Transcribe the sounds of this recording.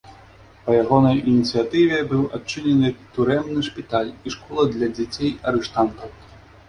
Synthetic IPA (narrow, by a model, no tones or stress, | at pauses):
pɐjaɣɔnɐjinʲit̪sɨjat̪ɨvʲɛbɨwat͡ʂːɨnʲɛnɨt̪uɾɛmnɨʂpʲit̪alʲiʂkɔlˠɐd̪lʲɐd͡zʲat͡sʲejɐɾɨʂt̪ant̪ɐw